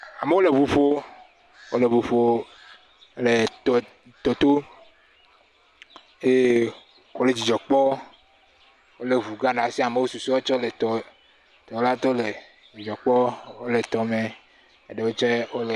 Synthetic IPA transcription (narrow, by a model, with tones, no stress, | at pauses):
a˨me˨˦wo˦le˨vu˨ɸo˦ | wo̰˦le˨vu˨ɸo˦˨ | le˨˦ | t̪ɔ˨t̪o˦ | je˦ | ko˦le˨d͡ʑi˨d͡ʒɔ˨k͡pɔ˦ | wo˦le˨vu˨ɡa˦nã˨si˦a˨me˨wo˦su˨su˦wo˦t͡ʃɔ˦le˨t̪ɔ˨ | t̪ɔ˨la˦t̪ɔ˦le˨ | d͡ʒi˨d͡ʒɔ˨k͡pɔ˦wo˦le˨t̪ɔ˨me˨ | e˦ɖe˨wo˦t͡ʃe˦wo˦le˨